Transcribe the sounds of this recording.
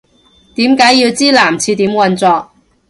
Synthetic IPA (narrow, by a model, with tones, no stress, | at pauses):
t̪iː˨˥mkaː˨˥jiː˧wt͡siː˥laː˨˩mt͡sʰiː˧t̪iː˨˥mwɐ˧nt͡sɔː˧k̚